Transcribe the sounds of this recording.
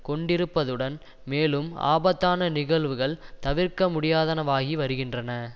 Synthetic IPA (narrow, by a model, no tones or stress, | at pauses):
kɔɳɖɪɾɯpːɐðɯɽɐn | meːlɯma̰ːbɐt̪ːaːnɐnɪɣɐɭʋɯɣɐɭt̪ɐʋɪɾkɐmʊɽɪjaːðɐnɐʋaːɣiʋɐɾɯɣɪndrɐnɐ